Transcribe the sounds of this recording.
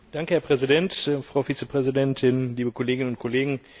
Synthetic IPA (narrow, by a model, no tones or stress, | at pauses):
d̥aŋkəhɛɐpʁ̥ɛzidɛntfʁ̥aʊfiːt͡səpʁ̥ɛzidɛntʰɪnliːbəkʰoleːɡɪnənʊntkʰɔleːɡŋ̩